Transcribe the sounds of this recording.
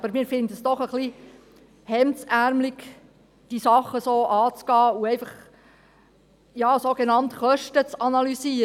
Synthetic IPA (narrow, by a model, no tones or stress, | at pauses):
bəɾmɪːɾfɪnd̪əsd̥ɔχəχli | hɛmt͡sæɾmliɡ | d̥isɑχːəsoːʔɑːt͡sɡ̥ɑːuɛɪfɑχ | jɑːsoːɡenɑnt̪χœʃtət͡sɑnɑlyziːɾ